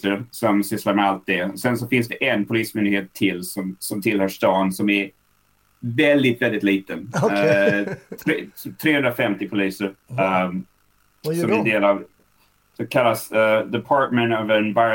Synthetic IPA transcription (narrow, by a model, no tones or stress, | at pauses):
əɾsɔmsɪslaɾmɛalt̪̚d̪ɛɔsɛns̬ɔfɪnsd̪ɛʔɛnpʰʊliːsmʏnd̪ɪɡheːt̪ʰːɪlsɔmsɔmt̪ʰɪlhœːʂt̪ɑːnsɔmæɾ | vɛld̪ɪt̪vɛld̪ɪt̪liːt̪ə | t̪ʰɾt̪ʰɾeːhɵnd̪ɾafɛmt̪ɪpʰʊliːsəɾ | sɔmæɖeːlav | sɔmkʰalːasd̪ɛpʰɑːʈ̪mɛnt̪ɑvɛnba